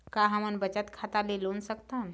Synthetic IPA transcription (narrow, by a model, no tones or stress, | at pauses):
kaɦamənbət͡ʃət̪kʰat̪alilonsəkt̪an